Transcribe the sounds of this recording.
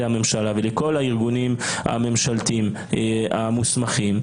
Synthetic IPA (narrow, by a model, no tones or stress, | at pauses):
ame̞mʃalaveleko̞lhaiʁɡunima̰me̞mʃalt̪im | amusmaχim